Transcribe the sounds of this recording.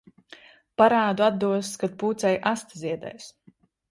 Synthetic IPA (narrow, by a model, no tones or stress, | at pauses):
paɾaːd̪uad̪d̪uɔskad̪̚puːt̪sɛjʔast̪ziɛd̪ɛ̰js